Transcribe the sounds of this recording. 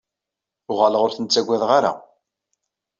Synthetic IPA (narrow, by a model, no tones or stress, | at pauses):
ʊʁaləʁʊɾθənt͡sːæɡʷːæðʁaɾa̰